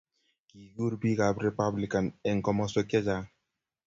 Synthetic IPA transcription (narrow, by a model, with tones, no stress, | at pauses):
ki˨ɡu˦ɾbi˦ka˨bɾe˨pa˦bli˨ka˨nɛ˨ŋ˨kɔ˦mɔ˦so˦kɛ˦d͡ʒa˦